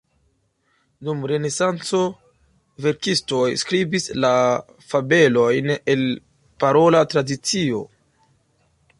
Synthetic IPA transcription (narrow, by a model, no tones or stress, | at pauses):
dumɾe̞ne̞sant͡so̞ | ve̞ɾkisto̞jskɾibisla | fabe̞lo̞jne̞l | paɾo̞latɾadit͡sio̞̰